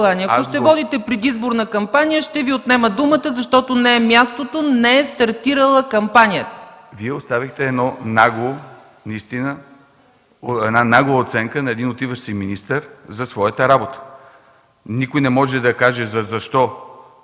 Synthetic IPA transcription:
lˠaniɐʊʃt̪ɛvɔd̪it̪ɛpɾɛd̪izboɾnɐkɐmpanijəʃt̪ɛviot̪nɛməd̪umət̪əzɐʃt̪ɔt̪onɛɛmʲjast̪ot̪onɛɛst̪ɐɾt̪iɾəlˠəkɐmpanijət̪ə̥viɛost̪avixt̪ɛɛd̪nɔnaɡo | nɐist̪inə | ɛd̪nanaɡʊəot̪sɛŋkənɐɛd̪inot̪ivəʃsiminist̪əɾzɐsvɔjət̪əɾabot̪ə̥ | nikojnɛmɔʒɛd̪ɐkaʒɛzɐzɐʃt̪ɔ

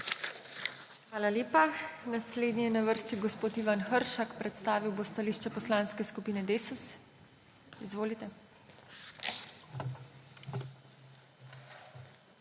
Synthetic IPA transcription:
xʋaːlalʲeːpanasleːd̪nijɛnaʋəɾst̪iɡospoːt̪iːʋanxəɾʃakpɾɛt̪st̪aːʋiwbost̪aliːʃt͡ʃɛpɔslaːnskɛskupiːnɛd̪eːsus | izʋoːlit̪ɛ

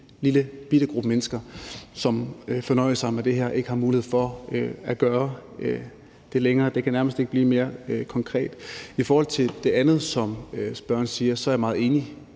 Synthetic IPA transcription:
liləb̥id̥əɡ̥ʁub̥əmenəsɡ̥ɐsɒ̽mfɒ̽nɒ̽ɪ̰əsɑ̈ɪmæd̥e̝ɦeɐ̰ʔe̝ɡ̥əhɑ̈muːlihe̝̰fɒ̽æɡ̥ɶːɐø | d̥e̝leŋɐːd̥e̝kʰænæɐməsd̥e̝ɡ̥əb̥liːme̝ːɐkʰɒ̽ŋkʰʁɛ̰ːd̥ifɒːhɒ̽l̰t͡sʰe̝ld̥e̝ænð̩ˠsɒ̽møsb̥ɶɐ̰nsiːɐsɒ̽æɐjamɑ̈ːð̞̩ˠe̝ːni

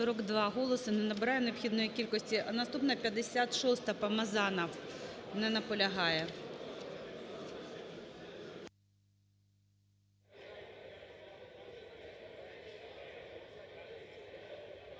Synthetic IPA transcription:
ɔɾɔɡd̪ʋɑɦɔlˠɔsɨnɛnɐbɪɾɑjʊneɔpxʲid̪nɔjikʲilʲkɔsʲtʲiʔɐnɐst̪upnɐpʲjɐd̪esʲat̪ʃɔst̪ɐpɐmɐzɑnɐwnɛnɐpɔlʲɐɦɑjɛ

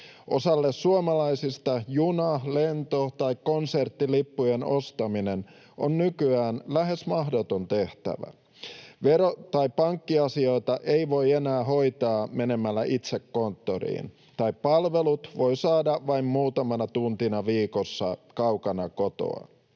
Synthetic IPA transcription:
ʔo̞sɑlːessuomɑlɑisist̪ɑjunɑle̞nt̪ot̪ɑjkːo̞nsert̪ːilipːujeno̞st̪ɑminen | ʔonːykyæːnlæɦe̞smɑɦdot̪ont̪e̞ht̪æ̰ʋæ̰ | ʋeɾot̪ɑippɑŋkːiɑsio̞jt̪ɑʔe̞iʋo̞jenæːɦo̞jt̪ɑːme̞ne̞mælːæʔit̪se̞kːo̞nt̪ːoɾḭːn | t̪ɑippɑlʋe̞lut̪ʋo̞jsɑːdɑʋɑimmuːt̪ɑmɑnɑt̪unt̪inɑʋiːkosːɑkɑwkɑnɑko̞t̪o̰ɑ̰

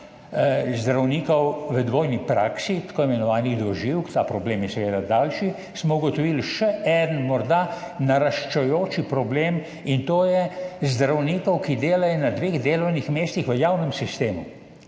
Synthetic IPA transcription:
zd̪ɾawniːkɔwʋəd̪ʋoːjnipɾaːksit̪ḁkoːimɛnɔʋaːniɣd̪ɔʒiwkt̪aːpɾɔbleːmjɛsɛʋeːd̪ad̪aːlʃi | smɔuɡɔt̪ɔʋilʃɛʔɛːd̪ənmɔɾd̪a | naɾaʃt͡ʃɛjoːt͡ʃipɾɔbleːm | int̪oːjɛzd̪ɾawniːkɔwkid̪eːlajɔnad̪ʋeːɣd̪eːlɔwnixmeːst̪ixʋəjawnəmsist̪eːmu

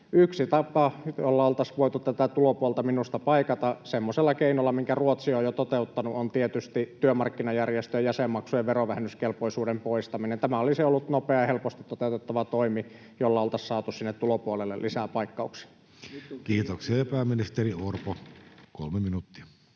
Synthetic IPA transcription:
yksit̪ɑpɑjolːɑolt̪ɑsʋoit̪ut̪t̪æt̪æt̪ulopuolt̪ɑminust̪ɑpɑikɑt̪ɑsemːoselːɑkeinolːɑmiŋkæruot̪sioːjot̪ot̪eut̪ːɑnuont̪iet̪yst̪it̪yømɑrkːinɑjærjest̪øjɑjæsemːɑksujeʋeroʋæhenːyskelpoisuːdempoist̪ɑminent̪æmæoliseolːut̪nopeɑjɑhelpost̪it̪ːot̪eut̪et̪ːɑʋɑt̪oimi | jolːɑolt̪ɑssɑːt̪ussinːet̪t̪ːulopuolelːḛlʔisæpɑikːɑuksi̥ | kiːt̪oksiɑjɑpæːmːinist̪eriorpoko̰lmeminut̪ːiæ

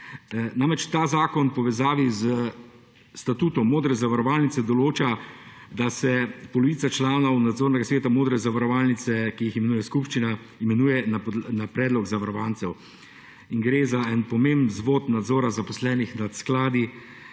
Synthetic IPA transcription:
namɛt͡ʃt̪aːzaːkɔnpɔʋɛzaːʋizə | st̪at̪uːt̪ɔmːoːd̪ɾɛzaʋaɾɔʋalnit̪sɛd̪ɔloːt͡ʃad̪asɛpɔlɔʋiːt̪sat͡ʃlaːnɔwnad̪zoːɾnɛɡasʋeːt̪amoːd̪ɾɛzaʋaɾɔʋaːlnit̪sɛkijiximɛnuːjɛskupʃt͡ʃina | imɛnuːjɛnanapɾɛːd̪lɔɡzaʋaɾɔʋant̪sɛw | iŋɡɾeːzaɛnpɔmembnzʋoːt̪nad̪zoːɾazapɔslɛːnixnat̪sklaːd̪i

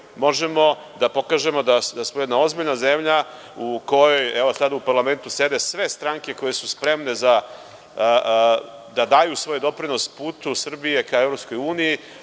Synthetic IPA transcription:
mo̞ʒemo̞ | d̪apo̞kaːʒe̞mo̞d̪ad̪asmojed̪nao̞zbiʎnazemʎa | uko̞jo̞jɛʋosad̪upaɾlˠame̞nt̪use̞d̪e̞sʋe̞st̪ɾaŋke̞ko̞je̞suspɾe̞mne̞za | d̪ad̪aːjusʋo̞jd̪o̞pɾino̞spuːt̪usr̩bije̞kaevɾopsko̞juːniji

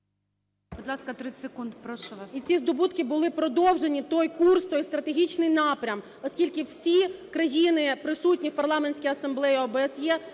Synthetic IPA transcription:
bbʊd̪lˠɑskɐt̪ɾɪsekund̪pɾɔʃit͡sʲizd̪ɔbut̪kɪbʊlˠɪpɾɔd̪ɔwʒenʲit̪ɔjkurst̪ɔjst̪ɾɐt̪eɦʲit͡ʃnɪjnɑpɾʲɐm | ɔsʲkʲilʲkɪw̥sʲikɾɐjinɪpɾɪsut̚ʲnʲiwpɐrlˠɑmenʲt͡sʲkijɐsɐmblˠɛjiɔbɛesjɛ

